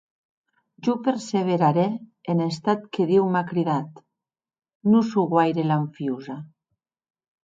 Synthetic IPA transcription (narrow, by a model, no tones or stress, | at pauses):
ʒupeɾseβ̞eɾaɾeːnest̪at̪keðiwmakɾiðat̪ | nusuɣwajɾelaɱfiuza